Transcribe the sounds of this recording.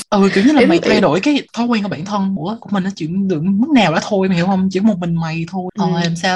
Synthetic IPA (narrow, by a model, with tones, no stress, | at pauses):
ʔɨ˨˩ki˧˩əwɲə˦˥laː˨˩˨ma˨˩jt̪ʰa˧jɗo˧˩jkaː˨˦jt̪ʰɔ˨˦kwɛː˧nku˧˩aː˧˩nt̪ʰə˧nṵ˧˥ə˦kṵ˧˩əmï˨˩ŋ̟nɔ˨˦t͡ɕḭ˧˩əŋɗɨ̰˧˨əŋmə˦˥t̚naː˨˩wla̰˧˨˩t̪ʰo˧jma˨˩hi˧˩whə˧wŋ͡mt͡ɕḭ˧˥ə˦mo˨˩t̚mï˨˩ŋ̟ma˨˩jt̪ʰo˧jkɔ˨˩˨laː˨˩msaː˧